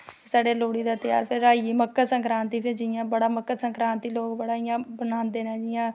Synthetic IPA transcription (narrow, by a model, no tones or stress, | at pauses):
saːɖeːloːɽiːd̪aːt̪ɪja̰ːɾpʰɪɾːaːiməkːəsə̃ŋkɾãːnt̪iːpʰɪɾd͡ʒɪjãːbəɽaːməkːəsəŋkɾãːnt̪iːloːkbəɽaːɪjãːbənaːnd̪eːnaːd͡ʒɪjãː